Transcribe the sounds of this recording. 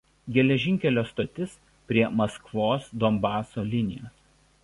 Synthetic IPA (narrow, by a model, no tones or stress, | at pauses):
ɡʲɛlʲɛʒʲɪŋʲkʲɛlʲoːst̪oːt̪ʲɪs | pʲɾʲiɛmɐskʋoːsd̪ɔmbɑːsoːlʲɪnʲɪ̰joːs